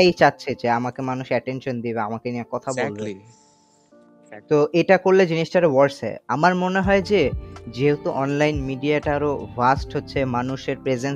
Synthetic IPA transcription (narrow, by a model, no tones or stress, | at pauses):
ajt͡ɕatːɕʰed͡ʑeamakemanuʃɛʈenʃond̪ibeamakenijakɔt̪ʰabolbe | t̪oʔeʈakoɾled͡ʑiniʃʈaɾewɔɾsɛ̰amaɾmoneɦɔed͡ʑed͡ʑeɦet̪oʔɔnlajnmiɖiaʈaɾobʱasʈɦotːɕʰemanuʃeɾpɾed͡ʑen